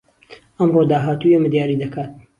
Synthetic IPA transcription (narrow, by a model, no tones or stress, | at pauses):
ɐmrod̪aːɦaːt̪ujemɨd̪jaːɾid̪ɐkʰaːt̪̚